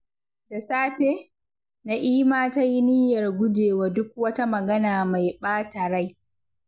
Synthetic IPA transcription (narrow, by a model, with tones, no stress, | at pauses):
da˨saː˦ɸeː˦ | na˦ʔiː˦maː˦ta˦ji˦niː˦jɐ˨rɡʷʊ˦d͡ʒeː˨waː˦dʊ˦k̚wɐ˦ta˦mɐ˨ɡɐ˦naː˨ma˨jɓaː˦ta˨ɾa˦j